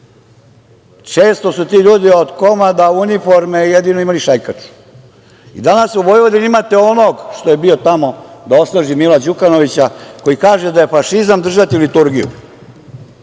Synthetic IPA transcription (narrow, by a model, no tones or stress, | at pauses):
t͡ʃe̞ːst̪o̞sut̪iːʎuːd̪iod̪komad̪aunifoɾmejed̪inoimaliʃajkat͡ʃu̥ | ḭd̪anasuʋo̞jʋod̪inimat̪eonoːɡʃt̪o̞je̞bio̞t̪amo̞d̪ao̞slˠaʒimilad͡ʑukano̞ʋit͡ɕako̞jikaːʒed̪ajefaʃizamd̪r̩ʒat̪ilit̪uɾɡijṵ